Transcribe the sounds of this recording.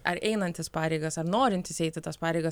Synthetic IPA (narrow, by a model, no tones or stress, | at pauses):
ɐɾɛɪnɐnʲt̪ʲɪspɑːɾʲɛɪɡɐsɐɾnoːɾʲɪnʲt̪ʲɪsɛɪt̪ʲɪt̪ɐspɑːɾʲɛɪɡɐs